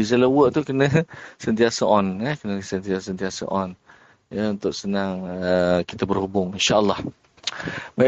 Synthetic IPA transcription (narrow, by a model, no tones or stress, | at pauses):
izələwəʔt̪ukənəsənt̪iasəʔɔnjəkənəsənt̪iasənt̪iasa̰ʔɔn | jəunt̪ʊʔsənaŋəkit̪abərhubʊŋinʃaʔəlːɑh | ba